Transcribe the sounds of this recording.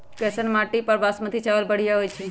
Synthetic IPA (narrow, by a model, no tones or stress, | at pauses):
kɛsənmaʈipəɾbasmət̪ʰit͡ʃaʋəlbəɽ̤ijaɦojt͡ʃʰɛ